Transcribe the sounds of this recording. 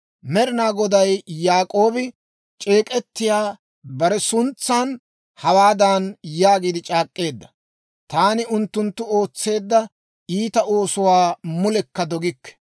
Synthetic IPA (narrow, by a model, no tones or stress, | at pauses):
mɛɾɪnaːɡɔd̪ɐjːaːkʼo̞ːbɪ | t͡ʃʼe̞ːkʼɛt̪ːɪjaː | bɐɾɛsʊnt͡sːaːn | hɐwaːd̪aːnjaːɡiːd̪ɪt͡ʃʼaːkʼːe̞ːd̪ːɐ | t̪aːnɪʊnt̪ːʊnt̪ːʊo̞ːt͡sːe̞ːd̪ːɐ | iːt̪ɐo̞ːsʊwaːmʊlɛkːɐd̪ɔɡɪkːɛ̥